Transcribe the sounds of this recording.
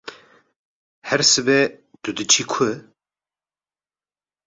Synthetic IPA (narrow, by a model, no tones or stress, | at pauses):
hɛɾsɨbɛ | t̪ud̪ɨt͡ʃʰikʰɨ